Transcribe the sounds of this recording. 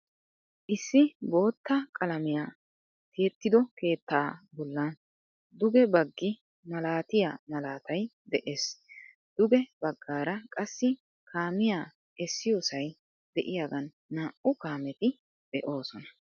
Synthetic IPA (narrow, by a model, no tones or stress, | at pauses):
ʔɪsːɪbo̞ːt̪ːɐkʼɐlɐmɪjaː | t̪eːt̪ːɪd̪ɔke̞ːt̪ːaːbɔlːɐn | d̪ʊɡɛbɐɡːɪ | mɐlaːt̪ɪja̰mɐlaːt̪ɐj | d̪ɛʔeːs | d̪̥ʊɡɛb̥ɐɡːaːɾɐkʼɐsːɪ | kʰaːmɪjaː | ɛsːɪjoːsɐj | d̪̥ɛʔɪjaːɡɐnːaːʔʊkaːmɛt̪ɪ | d̪̥ɛʔo̞ːsɔnɐ̥